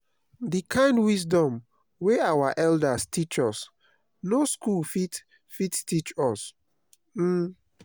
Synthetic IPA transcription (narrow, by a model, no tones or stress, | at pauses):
dikʰãɪ̃ndwis̬dɔ̃m | weawaʔɛldastit͡ʃɔs | noskulfit | fittit͡ʃɔs | m̩